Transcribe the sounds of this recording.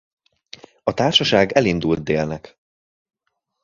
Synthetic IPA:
ɒt̪aːrʃɒʃaːɡɛlind̪ult̪̚d̪eːlnɛk

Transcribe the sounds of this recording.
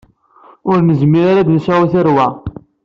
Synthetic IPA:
ʊɾnəzmːiɾaɾad̪nsæiθəɾwæ

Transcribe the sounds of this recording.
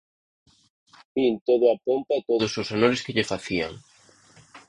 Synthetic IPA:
bint̪oðʊapompat̪oðʊsosanoɾɪskɪʎefaθia̰ŋ

